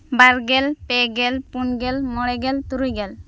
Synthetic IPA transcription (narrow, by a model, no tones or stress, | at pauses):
baɾɡɛlpɛɡɛlpunɡɛlmɔɽɛɡɛlt̪uɾujɡɛl